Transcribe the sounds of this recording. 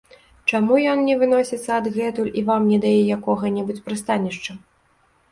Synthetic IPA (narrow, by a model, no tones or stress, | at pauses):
t͡ʂamujɔnnʲɛvɨnɔsʲit̪sːɐːd̪ɣɛt̪ulʲivamnʲɛd̪ajɛjakɔɣɐnʲɛbut͡sʲpɾɨst̪anʲiʂt͡ʂɐ